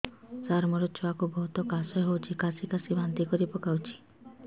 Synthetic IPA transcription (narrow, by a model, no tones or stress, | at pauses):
saɾmɔɾɔt͡ʃʰɔakubɔɦut̪ɔkasɔeɦowt͡ʃʰikasikasibant̪ikɔɾipɔkawt͡ʃʰi̥